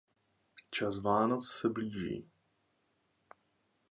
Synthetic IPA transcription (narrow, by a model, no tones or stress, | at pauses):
t͡ʃasvaːnot͡ssɛbliːʒḭː